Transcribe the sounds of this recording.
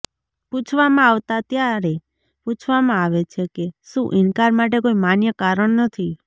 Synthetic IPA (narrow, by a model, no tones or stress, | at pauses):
put͡ʃʰʋamãaʋt̪at̪jaɾe | put͡ʃʰʋamãaʋet͡ʃʰekeʃũʔɪnkaɾmaʈ̬ekoimanjəkaɾəɳnət̪ʰi